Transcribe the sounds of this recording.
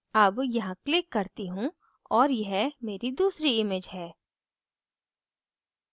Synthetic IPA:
ɐbjɐɦãklɪkːɐɾt̪iɦũ | ɔːɾjɐɦmeːɾid̪uːsɾiɪmeːd͡ʒɦɛː

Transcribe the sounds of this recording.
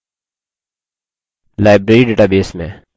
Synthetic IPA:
laːɪbɾeːɾiːɖeːʈaːbeːsmḛ̃ː

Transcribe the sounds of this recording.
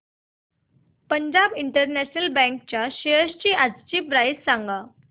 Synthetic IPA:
pəɲd͡ʑabiɳʈəɾnæɕnəlbɛ̃ŋk̚t͡ɕjaɕeəst͡ɕiːad͡zt͡ɕiːpɾajssaŋɡa

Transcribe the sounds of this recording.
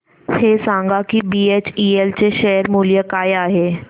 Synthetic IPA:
hesãŋɡakibiːet͡ɕielt͡ɕeʃɛɦəɾmuːljəkaːjaːɦe

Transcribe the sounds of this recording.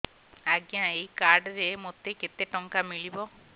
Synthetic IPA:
aɡjãejkaɾɖɾemot̪eket̪eʈɔŋkamiɭibɔ

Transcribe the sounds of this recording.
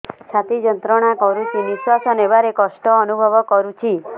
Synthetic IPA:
t͡ʃʰat̪id͡ʒənt̪ɾɔɽ̃akɔɾut͡ʃʰiniʃwasɔneʋaɾekɔʃʈɔːnubʱɔʋɔkɔɾut͡ʃʰi

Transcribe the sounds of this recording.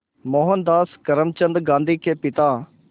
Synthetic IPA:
moːɦənd̪aːskɐɾəmt͡ʃə̃nd̪ɡãːnd̪iːkʰeːpɪt̪aː

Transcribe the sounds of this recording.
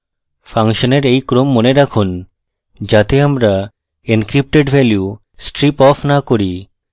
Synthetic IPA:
fʰaŋʃoneɾejkɾomːoneɾakʰun | d͡ʑat̪eamɾa | inkɾip̚ʈeɖbʱɛlju | sʈɾipɔfʰnakoɾi

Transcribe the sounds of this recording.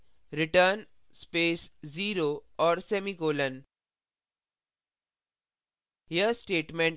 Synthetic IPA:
ɾɪʈəɾn | speːsziːɾoɔːɾsɛmiɡoːlən | ɦijəsʈeːʈmẽɳʈ

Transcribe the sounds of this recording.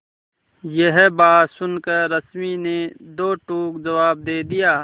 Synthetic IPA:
jeɦbaːsʊnkɐɾəsmined̪oːʈuːkd͡ʒɐwaːb̚d̪eːd̪ijaː

